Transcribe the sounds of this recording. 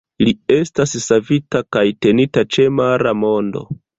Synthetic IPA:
lie̞stassavitakajte̞nitat͡ʃe̞maɾamo̞ndo̞̰

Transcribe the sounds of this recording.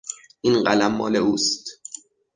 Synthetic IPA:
ʔiːnɢælæmːɒ̰ːleuːst̪

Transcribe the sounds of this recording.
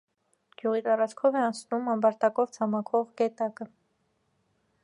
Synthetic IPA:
ɡ̥juʁit̪ɑɾɑt͡sʰkʰɔvɛɑnt͡sʰnumɑmbɑɾt̪ɑkɔvt͡sʰɑmɑkʰɔʁɡɛt̪ɑkə

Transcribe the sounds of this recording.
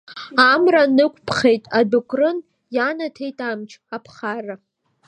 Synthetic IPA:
amranɨkʷʰʼpʰχe̞jtʼadukʷʰʼrɨn | janatʰe̞jtʼamt͡ʃʰapʰχara

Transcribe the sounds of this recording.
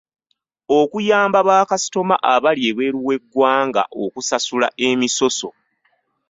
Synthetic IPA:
okujaːmbaβaːkasi̥to̞ma̰ʔaβaljeβweːɾuwe̞ɡːwaːŋɡa̰ʔokusasula̰ʔemiso̞so̞

